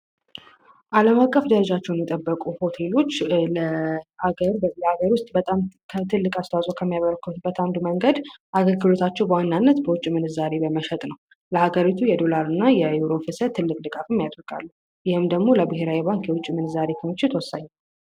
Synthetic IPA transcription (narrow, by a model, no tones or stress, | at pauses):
ʔaləmakʼːəfd̪əɾəd͡ʒat͡ʃːɛwnjɛt̪ʼəbːəkʼuho̞t̪ʰe̞lo̞t͡ʃːləaɡəɾləaɡəɾwʊst̪ʼbət̪ʼamkʰət̪ʰɨlːɨkʼast̪ʰawasʼowkʰəmːijaβəɾəkʰːut̪bːət̪ʰand̪uməŋɡəd̪ʔaɡəlɡɨlo̞t̪ʰat͡ʃːɛwbəwanːanːət̪bəwʊt͡ʃʼːimɨnɨzaɾe̞bəməʃɛt̪ʼnəw | ləhaɡəɾit̪ʰujɛd̪o̞laɾɨnːajɛjuɾo̞fɨsət̪ʰːɨlːɨkʼd̪ɨkʼafɨmːjat̪ʼɔkʼa̰lːu | jɪhɨmd̪əɡmoləbɨɦeɾawjɛβaŋkjɛwʊt͡ʃʼːimɨnɨzaɾe̞kʰəmɨt͡ʃːɪt̪ʰwɔsaɲːa